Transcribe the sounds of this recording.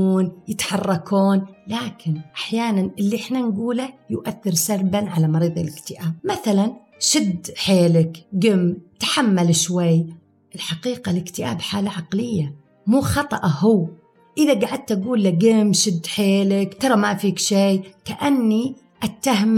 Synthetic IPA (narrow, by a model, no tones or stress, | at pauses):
uːnjɪt̪ħɑrˤːɑkʰoːnlaːkʰɪnʔaħjaːnanʔɪlːiʔɪħnanɡuːlajʊʔaθːɪɾsaɾbanʕalamɑɾiːðˤɪlɪkt̪ɪʔaːb̚maθalan | ʃɪd̪ħeːlɪkɡɪmt̪ḁħamːalɪʃwajː | ʔɪlħaqiːqalɪkt̪ɪʔa̰ːbħaːlaʕɑqlɪjːa | muːxɑt̪ˤɑʔhʊw | ʔɪðaɡaʕad̪̚t̪ʔaɡuːlːaɡɪmʃɪd̪ːħeːlɪkt̪ɑɾˤɑmafiːkʃejkaʔanːi | ʔat̪ːahm